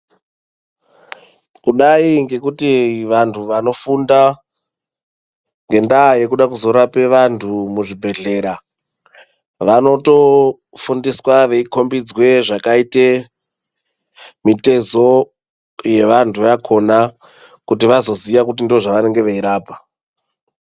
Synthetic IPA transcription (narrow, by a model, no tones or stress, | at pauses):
kuɗaiŋɡe̞kutiʋantʰuʋano̞funda | ŋɡe̞ndaːje̞kuɗakuzo̞ɾape̞ʋantʰumuʐibʱe̞ɮe̞ɾa | ʋano̞to̞ | fundiswaʋe̞iko̞mbid͡zwe̞ʐakaite | mite̞zo̞ | je̞ʋantʰuʋakʰo̞na | kutiʋazo̞ziʋakutindioʐaʋane̞ŋɡe̞ʋeiɾaːpa